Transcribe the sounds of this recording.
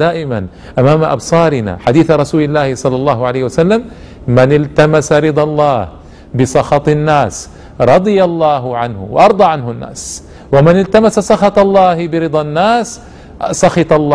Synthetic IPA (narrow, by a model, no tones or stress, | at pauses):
d̪aːʔɪman | ʔamaːmaʔɑ̰bsˤɑːɾɪna̰ħad̪iːθaɾˤɑsuːlɪlːaːhɪsˤɑlːɑlˤːɑːhʊʕalajhwasalːam | mɪnɪlt̪amasaɾɪd̪ˤɑlˤːɑːh | bɪsˤɑxɑt̪ˤnːaːs | ɾˤɑd̪ˤɨjalˤːɑːɦʊʕanhʊ̰wɪ̰ʔɑɾˤd̪ˤɑːʕanhʊnːa̰ːs | wɪmɪnɪlt̪amasasˤɑxɑt̪ˤɑlˤːɑːhɪbɪɾɨd̪ˤɑnːaːs | sˤɑxɑt̪ˤɑlˤːɑː